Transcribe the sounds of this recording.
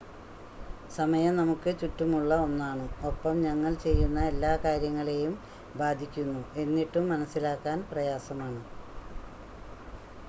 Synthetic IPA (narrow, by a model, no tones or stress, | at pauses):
sɐmɐjɐmnɐmukːɨt͡ɕutːumuɭːɐo̞nːaːɳɨo̞pːɐmɲɐŋːɐɭt͡ɕe̞jːunːɐe̞lːaːkaːɾjɐŋːɐɭe̞jum | baːd̪ʱikʲːunːue̞nːiʈːumːɐnɐsːilaːkːaːnprɐjaːsɐmaːɳɨ